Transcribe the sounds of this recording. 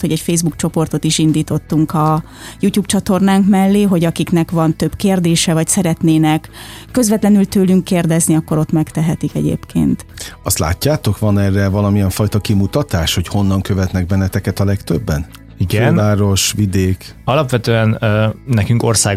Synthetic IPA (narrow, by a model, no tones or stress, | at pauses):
ho̞ɟɛcfeːzbukt͡ʃo̞po̞rt̪o̞t̪iʃind̪iːt̪o̞t̪ːuŋkɒ | juːcuːp̚t͡ʃɒt̪o̞rnaːŋkmɛlːeːɦo̞ɟɒkiknɛkvɒnt̪ø̞bkeːrd̪eːʃɛvɒcsɛɾɛt̪neːnɛkː | ø̞zʋɛt̪lɛnylt̪øːlyŋkːeːrd̪ɛzniɒkːo̞ɾo̞t̪mɛkt̪ɛɦɛt̪ikɛ̰ɟḛːpkḛːnt̪ɒst̪la̰ːcːaːt̪o̞kʋɒnɛːrːɛvɒlɒmijɛɱfɒjt̪ɒkimut̪ɒt̪aːʃho̞cho̞nːɒŋkøvɛt̪nɛɡ̚bɛnːɛt̪ɛkɛt̪ɒlɛkt̪øbːɛn | ikɡɛonvaːɾo̞ʃʋid̪eːk | ɒlɒpʋɛt̪øːɛnːnɛkyŋko̰rsaː